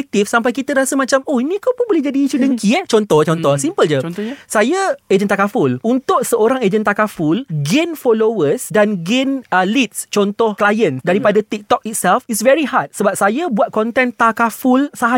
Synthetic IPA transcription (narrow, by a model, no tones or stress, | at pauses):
k̚t̪ifsampajkit̪əɾasəmãt͡ʃamɔhinĩkawpʊnbolɛhd͡ʒadiːt͡ʃudəŋkiɛht͡ʃɔnt̪ɔt͡ʃɔnt̪ɔsimpəld͡ʒəsajəed͡ʒənt̪akafʊlunt̪ʊʔ̚səoɾaŋed͡ʒənt̪akafulɡenfɔlowəsdanɡenəlit̪̚st͡ʃɔnt̪ɔhklajə̃nsdaɾipadat̪ik̚t̪ɔk̚it̪̚sɛlfisvɛɾihat̪̚səbap̚sajabuat̪̚kɔnt̪ɛnt̪akafulsaɦa